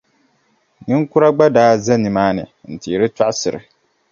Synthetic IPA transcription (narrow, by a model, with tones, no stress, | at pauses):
nɨ˦ŋku˦ɾa˦ɡ͡ba˦daː˦zɛ˦nɨ˨maː˦nɨ̰˨n̩˨ti˨ɾɨ˦ta˦ʔsɨ˨ɾɨ̰˨